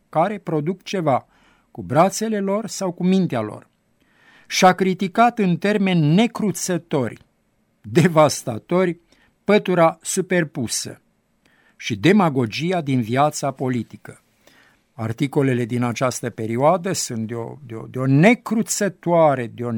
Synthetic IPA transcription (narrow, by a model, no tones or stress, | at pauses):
kaɾe̞pɾo̞d̪ukt͡ʃe̞va | kubɾat̪se̞le̞lo̞rsawkumint̪ealo̞̰r | ʃiakɾit̪ikat̪ɨnt̪e̞rme̞nʲːe̞kɾut̪sət̪o̞rʲ | d̪e̞vast̪a̰t̪o̞rʲ | pət̪uɾasupe̞rpusə̰ | ʃid̪e̞maɡo̞d͡ʒijad̪inviat̪sapo̞lit̪ikə | a̰rt̪iko̞le̞le̞d̪inat͡ʃast̪əpe̞ɾioad̪əsunt̪̚d̪eo̰d̪eo̰d̪eo̞ne̞kɾut̪sət̪uaɾe̞d̪eo̞